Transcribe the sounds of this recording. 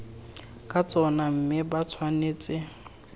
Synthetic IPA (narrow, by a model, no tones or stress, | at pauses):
kʼat͡sʼɔnam̩mɪbat͡sʰwaneːt͡sʼɪ